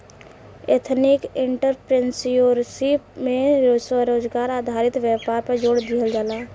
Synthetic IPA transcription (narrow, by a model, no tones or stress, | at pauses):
et̪ʰnɪkɪ̃ɳʈəɾpɾensjoːɾsipmẽɾoːwəɾoːd͡ʒɡaːɾaːd̪ʱaːɾɪt̪wjəːpaːɾpəɾd͡ʒoːɽd̪iɦəld͡ʒaːlaː